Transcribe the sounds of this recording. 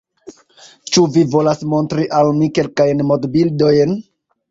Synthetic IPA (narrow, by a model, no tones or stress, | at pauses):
t͡ʃuvivo̞lasmo̞ntɾiʔalmike̞lkajnmodbildo̞jn